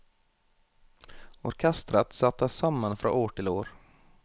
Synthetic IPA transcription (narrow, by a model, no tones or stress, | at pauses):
ɔɾkʰɛst̪ɾat̪sat̪ːasamːanfɾɔ̰noːʈʰɪloːɾ